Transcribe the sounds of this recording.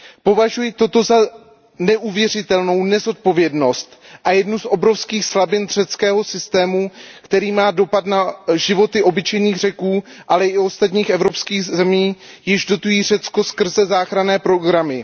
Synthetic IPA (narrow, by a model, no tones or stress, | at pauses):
po̞vaʒujɪt̪o̞t̪o̞za | nɛʔuvjɛr̝ɪt̪ɛlno̞wnɛzo̞t̪̚po̞vjɛdno̞st̪ʔajɛdnusʔo̞bɾo̞fskiːxslabɪnr̝̥ɛt͡skɛːɦo̞sɪst̪ɛːmukt̪ɛɾiːmaːdo̞pat̪naʒɪvo̞t̪ɪʔo̞bɪt͡ʃɛjniːɣr̝ɛkuː | ʔalɛɪo̞st̪at̪ɲiːxɛvɾo̞pskiːɣzɛmiːjɪʒdo̞t̪ujiːr̝ɛt͡sko̞skr̩zɛzaːxɾanɛːpɾoɡɾamɪ